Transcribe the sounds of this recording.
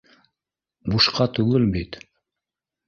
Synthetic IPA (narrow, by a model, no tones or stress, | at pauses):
buʃqɑt̪ʉɡɘlbit̪